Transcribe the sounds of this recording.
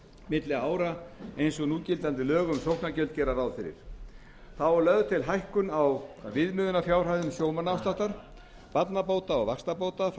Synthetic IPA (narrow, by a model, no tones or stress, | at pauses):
mɪt̪lɪaːwɾaejnsɔɣnuːcɪlt̪ant̪ɪlœːɣʏmsowhknacœlt̪̚cɛːɾaɾawðfɪɾɪ̰ɾ̥ | θaɔɾlœɣðt̪ʰɪlɦajhkʏnawvɪðmʏːðʏnafjaːwr̥hajðʏmsjoːwmanawst̪aht̪aɾ̥ | pat̪napowt̪aɔɣvakst̪apoːwt̪af